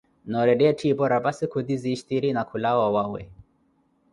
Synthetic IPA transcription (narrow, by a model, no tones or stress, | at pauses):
nɔɾɛɗɛtʰibɔɾabasikud̪iziʃt̪iɾinakulawawawɛ̰